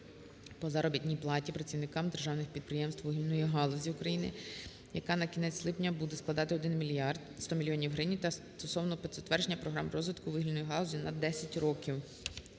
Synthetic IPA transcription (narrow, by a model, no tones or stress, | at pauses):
pɔzɑɾɔbʲit̪ʲnʲijplˠɑtʲipɾɐt͡sʲiwnɪkɑmd̪erʒɑwnɪxpʲid̪̚pɾɪjɛmst̪ʋwʋɪɦilʲnɔjiɦɑlˠɔzʲiʊkɾɐjinɪ | jɐkɑnɐkʲinɛt͡sʲslˠɪpnʲɐbud̪ɛsklˠɐd̪ɑt̪ɪɔd̪ɪnmʲilʲjɑrd̪st̪ɔmʲilʲjɔnʲiwɦɾɪnʲit̪ɐs | t̪ɔsɔwnɔpet̪sʲɛt̪ʋɛrd͡ʒenʲːɐpɾɔɦɾɑmrɔzʋɪt̪kʊʋɪɦilʲnɔjiɦɑlˠɔzʲinɐd̪ɛsʲɐtʲrɔkʲiw